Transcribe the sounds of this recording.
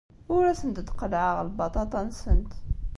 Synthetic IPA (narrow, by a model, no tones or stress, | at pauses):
uɾæsənt̪əd̪qəlʕaʁlbɑt̪ˤɑt̪ˤɑnsənt̪